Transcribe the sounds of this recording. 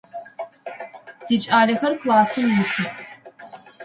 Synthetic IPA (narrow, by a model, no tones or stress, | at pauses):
d̥it͡ʃʼaːlɐxɐrklaːsɨmmɨsɨx